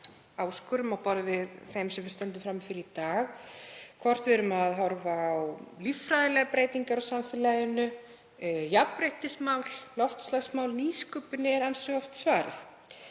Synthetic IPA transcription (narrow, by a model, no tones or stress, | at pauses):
aːwskʏɾʏmawpɔɾvɪðθejmsɛmvɪɾst̪œnt̪ʏfɾamːfɪɾɪɾit̪aːɣkʰvɔr̥t̪vɛɾʏmaðɦɔɾvaːwlifɾaðɪlɛɣapɾeːjt̪iŋkaɾɔsamfɪlajʏnʏ | japɾejht̪ɪsmaːwllɔft̪slaɣsmaːwlniːskʏːpʏnɪɛɾansœɣɔft̪svaːɾɪ̰θ